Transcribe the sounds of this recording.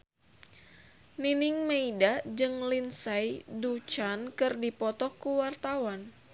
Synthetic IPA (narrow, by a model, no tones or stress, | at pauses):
ninɪŋmeidad͡ʒɨŋlinsajdut͡ʃankɨrdipɔt̪ɔkuwart̪awan